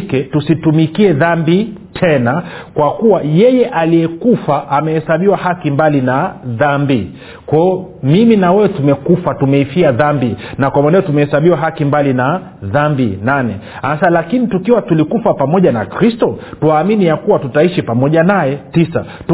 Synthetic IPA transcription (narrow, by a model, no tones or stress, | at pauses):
kɛtusitumikiɛðambitʰɛnakwakuwajɛjɛʔalijɛkufaʔːmɛhɛsaɓiwahakimbalinaðambi | kwɛɔmiminawɛwɛtumɛkufatumɛifiaðambinakwamanɛɔtumɛhɛsaɓiwaɦakimbalina | ðambinanɛ̰ | asalakinitukiwatulikufapamɔʄanakɾistɔtuwaːminijakuwatutaiʃipamɔʄanajɛtisa | t